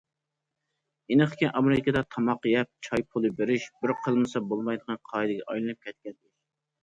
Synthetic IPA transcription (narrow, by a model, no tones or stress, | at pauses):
enɨqkʲinʔɑmɾɨkʲʰɪd̪ɑt̪ʰɑmɑqjɛp̚t͡ʃʰɑjpʰʊlˠɨbeɾɪʃbɪɾqʰəlˠmɨsɑbolˠmɑjd̪əʁɑnqʰɑɨd̪ɪɡʲɛʔɑjlˠɨnɨp̚kʲʰɛt̪̚kʲɛnd̪ɪʃ